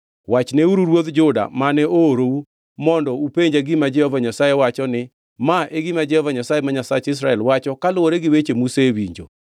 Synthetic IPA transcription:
wat͡ʃneuɾuɾwod̪d͡ʒʊda̰manɛoɾou | mɔndɔupeɲd͡ʒaɡɪmad͡ʒɛhɔvaɲasajewat͡ʃɔnɪ | maʔeɡɪmad͡ʒɛhɔvaɲasajemaɲasat͡ʃɪs̬ɾaɛlwat͡ʃɔkalʊwoɾeɡɪwet͡ʃemusewiɲd͡ʒo̰

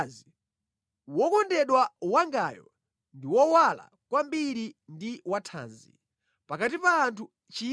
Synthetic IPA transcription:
zi | wɔkɔndɛɗwawaŋɡajɔ̰ | ndiwɔwala̰ | kwambiɾindiwatʰa̰ːnzḭ | pakatipaːntʰu | t͡ʃi

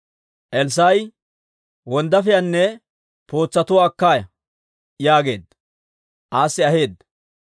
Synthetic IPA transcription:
ʔɛls̬ɐj | wɔnd̪ɐfɪjɐnːɛ | po̞ːt͡sːɐt̪ʊːkːaːjɐ | jaːɡe̞ːd̪ːɐ | ʔaːsːɪɐɦe̞ːd̪ɐ

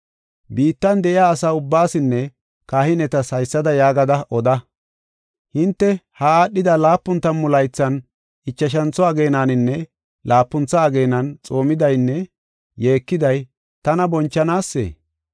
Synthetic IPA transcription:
biːt̪ːɐnd̪ɛʔɪjaːsaːʊbːaːsɪnːɛ | kaːhɪnɛt̪ɐshɐjsːɐd̪ɐjaːɡɐd̪ɐʔɔd̪ɐ | hɪnt̪ːɛhɐaːɗːɪd̪ɐlaːpːʊnt̪ːɐnmʊlɐjt͡sːɐn | ɪt͡ʃːɐʃ̬ɐnt͡sːɔɐɡe̞ːnaːnɪnːɛ | laːpːʊnt͡sːɐːɡe̞ːnɐnt͡sʼo̞ːmɪd̪ɐjnːɛ | jeːkːɪd̪ɐj | t̪ɐnɐbɔnt͡ʃːɐnaːsːḛː

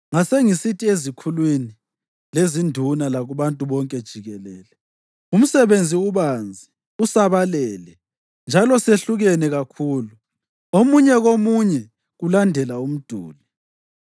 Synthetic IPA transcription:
ŋaseŋisitʰʼiezikʰulwini | lezindʱunalaɣuβantʼuβɔŋkʼɛd̥ʒ̥ʱiɣɛlɛːlɛ | um̩sɛβend͡zʱiuβand͡zʱi | usaβalɛːlɛ | nd͡ʒʱalɔseɬuɣɛnɛɣakʰuːlu | omuɲɛɣomuɲɛ | ɣulandʱɛlaum̩d̥ʱṵːli

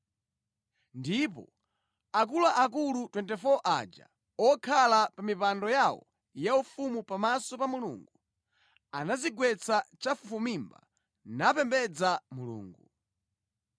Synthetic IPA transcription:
ndipɔ̰ | ak̬ulaʔak̬ulutwɛntɛfɔʔa̰d͡ʒa̰ | ɔkʰalapamipandɔjawɔ̰ | jaufumupamasɔpamulṵːŋɡu | anaziɡwɛt͡sat͡ʃafufumimba̰ | napɛmbɛd͡zamulṵːŋɡu

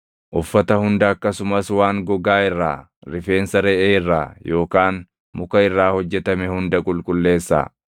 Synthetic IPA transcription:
ʔʊfːɐt̪ɐhʊnd̪ɐːkːɐsʊmɐswaːŋɡɔɡaːɪrːa̰ː | ɾɪfe̞ːnsɐɾɛʔeːɪrːa̰ːjo̞ːkaːn | mʊkɐɪrːaːhɔd͡ʒːɛt̪ɐmɛhʊnd̪ɐkʼʊlkʼʊlːe̞ːsːa̰ː

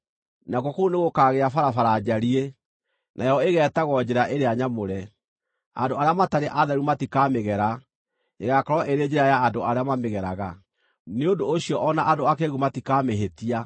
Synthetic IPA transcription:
nakwɔkouneɣokaːɣeafaɾafaɾad͡ʑaɾie | nʔajɔeɣɛːtaɣɔd͡ʑɛɾaʔeɾeaɲamoɾɛ | a̰ndoaɾeamataɾeʔaðɛɾumatikameɣɛɾa | eɣakɔɾɔʔeɾed͡ʑeɾajaːdoaɾeamameɣɛɾaɣa | neondoːɕiɔʔɔnaʔadoakeɣumatikaːmeɦetia

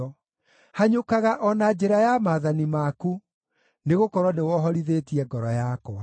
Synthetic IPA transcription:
ɔ | haɲokaɣaʔɔnad͡ʑeɾajamaðanimaku | neɣokɔɾwɔnewɔɦɔɾiðetiɛɡɔɾɔjakɔa

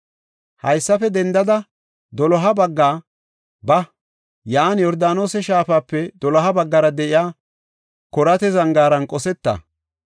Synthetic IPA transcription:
hɐjsːɐfɛd̪ɛnd̪ɐd̪ɐ | d̪ɔlɔɦɐbɐɡːaː | bɐ | jaːnjɔɾd̪aːno̞ːsɛʃaːfaːpːɛd̪ɔlɔɦɐbɐɡːɐɾɐd̪ɛʔɪjaː | kɔɾɐt̪ɛzɐŋɡaːɾɐnkʼɔsɛt̪ːɐ̰

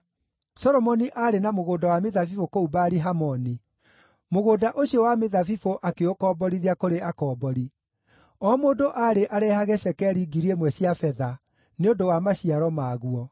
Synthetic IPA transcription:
sɔɾɔmɔniʔaɾenamoɣoːdawameðafifokoubaːɾiɦamɔni | moɣoːdaʔoɕiɔwameðafifoʔakeokɔːbɔɾiðiakoɾeakɔːbɔɾi | ɔːmoːndoʔaɾeʔaɾɛhaɣɛsɛkɛɾiɡiɾiemwɛɕiafɛða | neondowamaɕiaɾɔmaːɣuɔ

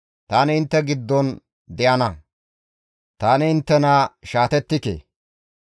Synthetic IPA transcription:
t̪aːnɪɪnt̪ːɛɡɪd̪ːɔn | d̪ɛʔɐnɐ | t̪aːnɪɪnt̪ːɛnaːʃaːt̪ɛt̪ːɪkḛː

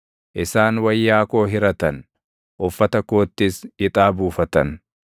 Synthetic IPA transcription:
ʔɪsaːnwɐjːaːko̞ːɦɪɾɐt̪ɐn | ʔɔfːɐt̪ɐkoːt̪ːɪsɪt̪ʼaːbuːfɐt̪ɐn

